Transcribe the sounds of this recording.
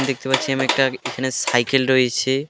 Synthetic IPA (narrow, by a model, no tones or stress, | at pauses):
d̪ek̚t̪epatːɕʰiamiɛk̚ʈaekʰanesajkelɾojet͡ɕʰe